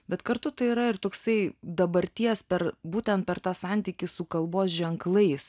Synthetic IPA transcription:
bʲɛt̪kɐɾt̪ʊt̪ɐɪiɾɐɪrt̪oːksɐɪd̪ɐbɐɾʲt̪ʲiɛspʲɛɾbuːt̪ʲɛnt̪̚pʲɛɾt̪ɑːsɑnʲt̪ʲiːkʲɪsʊkɐlˠboːsʒʲɛŋklˠɐɪs

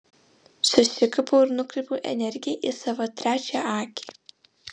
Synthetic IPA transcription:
sʊsʲɪkɐpoːɪɾnʊkɾʲɪˑpuʔɛ̰nʲɛɾʲɡʲɪjeʔisɑʋot̪ʲɾʲæːt͡ʃʲæʔɑːkʲi̥ː

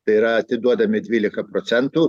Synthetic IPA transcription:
t̪ɐɪɪɾɐɐt̪ʲɪd̪uɔd̪ɐmʲɪd̪ʲʋʲiːlʲɪkɐpɾɔt̪sʲɛnt̪u

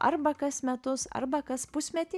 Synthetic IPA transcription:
ʔɐ̰ɾbɐkɐsmʲɛt̪ʊsɐ̰ɾbɐkɐspʊsʲmʲɛt̪ʲɪ

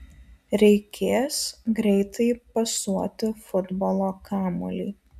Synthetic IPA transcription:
ɾʲɛɪkʲʰeːsɡɾʲɛɪt̪ɐɪpɐsuɔt̪ʲɪfʊd̪bɔlˠoːkʰɑːmʊ̰lʲiː

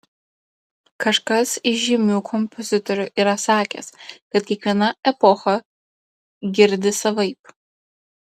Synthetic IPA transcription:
kʰɐʃkɐsɪʒʲɪmʲuːkʰɔmpʰozʲɪt̪ɔɾʲʊʔiːɾɐsɑːkʲɛ̰skɐt̪̚kʲiɛkʋʲiɛnɐɛpɔxɐ | ɡʲɪɾʲd̪ʲɪsɐʋɐɪp

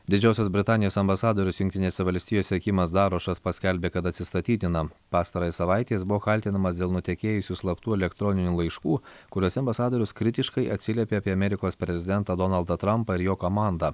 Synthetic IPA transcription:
d̪ʲɪd͡ʒʲɛˑʊsʲosbʲɾʲɪt̪ɑːnʲɪjoːsɐmbɐsɑːd̪oːɾʲʊsjʊŋʲkt̪ʲɪnʲeːsʲɛʋɐlʲsʲt̪ʲijoːsʲɛkʲimɐsd̪ɑːɾoːʃɐspɐsʲkʲɛlʲbʲeːkɐt̪ɐt̪sʲɪst̪ɐt̪ʲiːt̪ʲɪnɐpɑːst̪ɐɾoːjɛsɐʋɑɪt̪ʲeːsbʊʋoːxɐlʲt̪ʲɪnɐmɐsd̪ʲeːlˠnʊt̪ʲɛkʲeːjʊsʲuslˠɐpt̪uːɛlʲɛkt̪ɾɔnʲɪnʲuːlˠɐɪʃkuːkʊɾʲoːsʲɛɐmbɐsɑːd̪oːɾʲʊskɾʲɪt̪ʲɪʃkɐɪʔɐt̪ʲsʲɪlʲɛːpʲeɐpʲiɐmʲɛɾʲɪkoːspʲɾʲɛzʲɪd̪ʲɛnt̪ɑːd̪ɔnɐlˠd̪ɐt̪ɾɐmpɐɪɾjoːkomɑˑnd̪ɐ

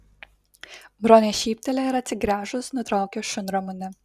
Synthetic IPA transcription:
bɾoːnʲeːʃʲiːpʲt̪ʲɛlʲɛɪɾɐt̪ʲsʲɪɡɾʲæːʒʊsnʊt̪ɾɑˑʊkʲoːʃʊnɾɔmʊnʲɪ

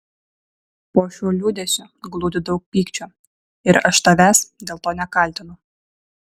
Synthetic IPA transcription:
poːʃʲuːlʲuːd̪ʲesʲʊɡlˠuːd̪ʲɪd̪ɐʊk̚pʲiːkt͡ʃʲu | ɪɾɐʃt̪ɐʋʲæːsd̪ʲeːlˠt̪oːnʲɛkɐlʲt̪ʲɪnʊ

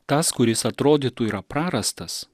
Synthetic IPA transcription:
t̪ɐskʊɾʲɪsɐt̪ɾoːd̪ʲiːt̪uiːɾɐpɾɑːɾɐst̪ɐs

